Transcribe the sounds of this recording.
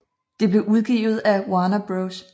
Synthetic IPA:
d̥e̝b̥le̝ʔuð̞ˠɡ̥ḭːʊð̞̩ˠæwɑnɐb̥ʁoʊs

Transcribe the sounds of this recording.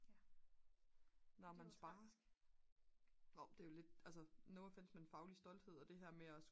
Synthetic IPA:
nɒmænsb̥ɑ̈ːɐ | oʊd̥e̝jo̝le̝d̥æls̬ənoːfe̝n̰smee̝nfɑ̈ʊlisd̥ɒ̽l̰d̥he̝ð̰ˠɒ̽d̥e̝ɦæɐ̰meɒs

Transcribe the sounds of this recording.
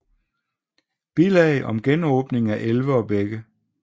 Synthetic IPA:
b̥ilɛɪʔɒ̽mɡ̥enɔːb̥ne̝ŋæʔelʋəɒ̽b̥eɡ̥ə

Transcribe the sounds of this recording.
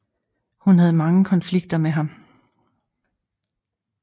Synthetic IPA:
hunɦæð̞̩ˠmɑ̈ŋəkʰɒ̽nfliɡ̥̚d̥ɐmeɦɑ̈m

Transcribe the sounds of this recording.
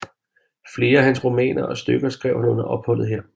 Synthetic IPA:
fle̝ːɐɦænsʁomɛ̰ːnɐʔɒ̽sd̥øɡ̥ɐsɡ̥ʁɛʊ̰hænon̩ˠæʔɒ̽b̥hɒ̽l̰ð̞̩ˠɦeɐ̰

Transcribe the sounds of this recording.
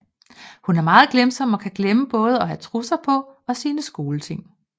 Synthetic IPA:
hunæɐmɑ̈ːð̞̩ˠɡ̥lemsɒ̽m̰ɒ̽kʰæɡ̥leməb̥ɔ̽ːð̞ˠɒ̽ɦæt͡sʰʁusɑpʰɒ̽ɒ̽siːnəsɡ̥o̝ːlət͡sʰe̝ŋ̰

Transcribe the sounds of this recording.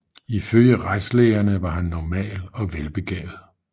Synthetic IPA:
iføljəʁaɪsleɪɐnəʋɑ̈ɦænːɒmɛ̰ːlɒ̽ʋelb̥e̝ɡ̥ɛ̰ːð̩ˠ

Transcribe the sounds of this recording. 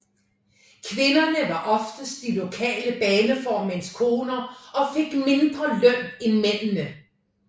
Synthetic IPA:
kʰʋe̝nɐnəʋɑ̈ʔɒ̽fd̥əsd̥ilo̝kʰɛ̰ːləb̥ɛːnəfɒːmenskʰo̝ːnɐɒ̽feɡ̥me̝nd̥ʁɐlœn̰enmen̰nə

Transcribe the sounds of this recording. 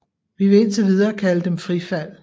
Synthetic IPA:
ʋiʋe̝e̝nt͡sʰe̝ʋið̞ˠɐːkʰæləd̥emfʁifæl̰

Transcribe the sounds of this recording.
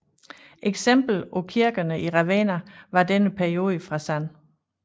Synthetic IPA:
ʔeɡ̥sem̰b̥l̩ɒkʰiɐɡ̥ɐnəʔiʁɑʋeːnɐʋɑ̈d̥enəpʰæɐio̝ːðˠəfʁɑ̈sæn

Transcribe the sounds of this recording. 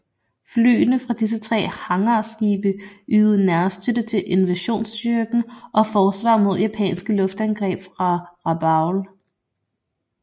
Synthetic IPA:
fly̰ːnəfʁɑ̈d̥is̬ət͡sʰʁɛ̰ːhɑ̈ŋɐsɡ̥ḭːb̥əʔyːð̩ˠnæɐst͡sʰød̥ət͡sʰe̝ʔe̝nʋæɕo̝̰ːnsd̥yɐɡ̥n̩ʔɒ̽fɒːsʋɑ̰̈ːmo̝ð̞̰ˠjæpʰɛ̰ːnsɡ̥əlɔ̽fd̥ænɡ̥ʁɛ̰ːb̥fʁɑ̈ʁɑ̈b̥ɑ̈ʊl

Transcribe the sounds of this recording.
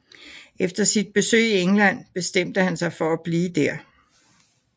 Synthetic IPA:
ʔefd̥ɐsid̥̚b̥e̝sø̰ːieŋlæn̰b̥e̝sd̥em̰d̥əhænsɑ̈ɪfɒ̽æb̥liːd̥æɐ̰

